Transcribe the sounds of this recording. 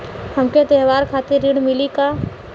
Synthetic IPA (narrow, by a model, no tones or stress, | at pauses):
hɐmket̪eɦʋaːɾkʰaːt̪ɪɾːɪɽ̃mɪlika